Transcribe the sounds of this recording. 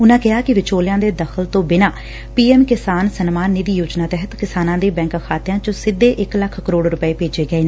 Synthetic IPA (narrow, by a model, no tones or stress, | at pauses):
ʊnãːkɪɦaːkɪʋɪt͡ʃoːlɪjãːd̪eːd̪əxʰəlt̪õːbɪnãː | piːɛːmkɪsaːnsənmaːnːɪd̪iːjoːd͡ʒnaːt̪ɛɦət̪kɪsaːnãːd̪eːbɛ̃ːŋkkʰaːt̪ɪjãːt͡ʃõsɪd̪ːeːʔɪkləkʰkəɾoːɽɾʊpəeːpeːd͡ʒeːɡəeːnː